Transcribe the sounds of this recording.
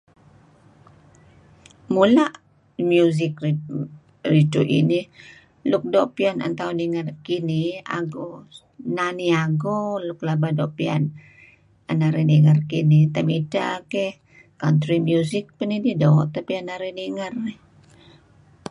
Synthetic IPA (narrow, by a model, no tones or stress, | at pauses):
mulaʔ | mjuzɪk | rid͡ʒuʔḭni | lʊk̚doʔpiana̰nt̪auniŋarkinia̰ɡo | naniaɡolʊk̚labadoʔpia̰n | anaɾiniŋərkinit̪amidakɛh | kant̪ɾimjuzɪk̚pənididoʔt̪apianaɾiniŋarɛ